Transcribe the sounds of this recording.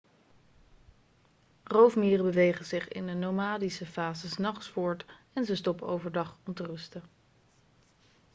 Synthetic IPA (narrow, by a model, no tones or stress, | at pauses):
rowfmiːrəbəʋejχənzɪχɪ̰ndənowmaːdisəfaːzəsnɑχsfʊːɹt | ɛnzəstɔpəowvəɹdɑχɔmtərɵstə